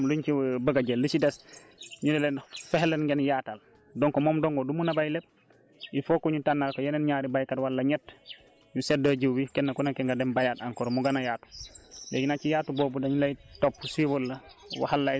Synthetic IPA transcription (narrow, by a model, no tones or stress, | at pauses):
mluɲt͡ʃibəɡaɟelːisidɛs | ɲudɛlɛnfɛhlɛnɡenjaːtal | dɔŋkɔmɔmdɔŋɡɔdumunabajlep̚ | ifokɔɲutanːalkɔjenɛnɲaːɾibajkatwalːaɲɛt | ɲusɛdaɟiwwikɛnːakunakɛŋɡadɛmbajataŋkɔɾmuɡanajaːtu̥lejinat͡ʃijaːtuboːbudaɲulajtopːsiwɔlːawa̰halːa